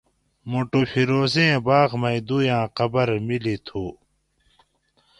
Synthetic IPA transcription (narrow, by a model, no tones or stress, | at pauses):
moʈofʰiɾoːzẽːbaːɣmɐid̪ujãːqɐbɐɾmilit̪ʰuː